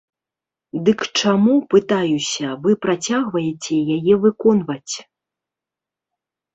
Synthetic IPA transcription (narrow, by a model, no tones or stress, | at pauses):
d̪ɨkt͡ʂamupɨt̪ajusʲɐvɨpɾat͡sʲaɣvɐjɛt͡sʲɛjajɛvɨkɔnvɐt͡sʲ